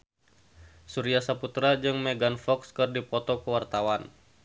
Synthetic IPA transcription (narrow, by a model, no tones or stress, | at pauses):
suɾiasaput̪ɾad͡ʒɨŋmɛɡanfɔkskɨrdipɔt̪ɔkəwart̪awan